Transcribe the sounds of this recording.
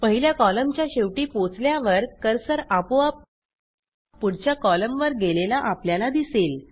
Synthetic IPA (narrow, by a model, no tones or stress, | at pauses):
pəɦiljakɔləmt͡ɕjaɕeʋʈiːpot͡sljaʋəɾkəɾsəɾapoap̚ | puɽ̤t͡ɕjakɔləmʋəɾɡelelaʔapljalad̪isel